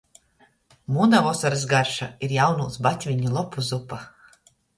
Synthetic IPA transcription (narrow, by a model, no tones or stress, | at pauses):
munavɔsaɾɨsɡaɾʃaiɾjawnuːsbat̪ʲvʲiɲʲulˠɔpuzupa